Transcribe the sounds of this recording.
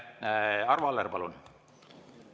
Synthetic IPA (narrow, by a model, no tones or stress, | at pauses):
ɑrvuɑlːerpɑlun